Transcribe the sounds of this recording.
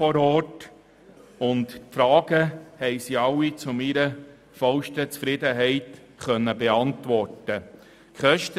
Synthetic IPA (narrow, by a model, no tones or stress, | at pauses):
ɔɾɔːt | ʊntfɾɑːɡəhɛɪsiɑwːit͡sʊmiɾə | fɑlʃtət͡sfɾɪd̪əɦɛɪt | χœnːəbeɑntʋɔrtə | kχœʃtə